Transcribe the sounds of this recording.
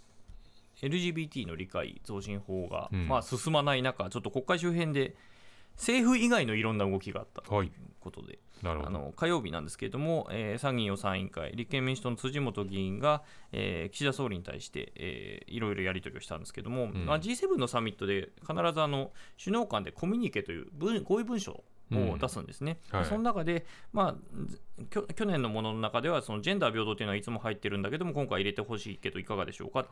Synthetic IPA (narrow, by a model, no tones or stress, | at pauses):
eɾɯ̟ʑiːbʲiːt̪ʲiːno̞ɾʲika̰ḭd͡zo̞ːɕĩɰ̃ho̞ːɡa̰masɨsɨmanainakat͡ɕo̞t̪ːo̞ko̞kːaiɕ̬ɨːɦẽ̞nd̪e̞ | se̞ːɸɯ̟iɡaino̞iɾõ̞nːaɯ̟ɡo̞kʲiɡa̰a̰t̪ːḁko̞t̪o̞̰d̪e̞̰ | na̰no̞̰kajo̞ːbʲinã̰nd̪e̞sɨ̥ke̞ɾe̞d̪o̞mo̞eːsãɲʲːĩo̞sãɰ̃ḭ̃ŋka̰ḭɾʲikːemʲĩsi̥t̪o̞not͡sɨʑimo̞t̪o̞ɡʲiĩŋɡaḛːkʲi̥ɕid̪aso̞ːɾʲiɲ̟it̪a̰ḭɕi̥t̪e̞̰ḛːḭɾo̞iɾo̞jaɾʲit̪o̞ɾʲioɕi̥t̪ã̰nd̪eske̞̰d̪o̞mo̞mad͡ʑiːse̞ːbɯ̟̃nːo̞samʲit̪ːo̞d̪e̞kʰanaɾazɨano̞ɕɨno̞ːkãnd̪e̞kʰo̞mʲiɲ̟ike̞t̪o̞jɯ̰ːbɯ̟̃ɡo̞ːibɯ̟̃ɕo̞̰ | od̪asɨ̰̃nd̪e̞sɨne̞d̪so̞nonakad̪e̞ma | kʲokʲo̞nẽ̞nːo̞mo̞nononakad̪e̞β̞aso̞nod͡ʑẽ̞nd̪aːbʲo̞ːd̪ot̪ːeinoait͡sɨmo̞hait̪ːe̞ɾɯ̟̃nd̪ake̞d̪o̞mo̞kõ̞ŋkaiɾe̞t̪e̞ho̞ɕḭːke̞d̪o̞ikaɡad̪e̞ɕo̞̰ːka